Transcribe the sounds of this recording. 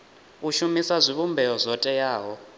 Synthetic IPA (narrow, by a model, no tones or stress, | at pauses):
uʃumisazʷiβumbʱɛɔzʷɔtʼɛjaːɦɔ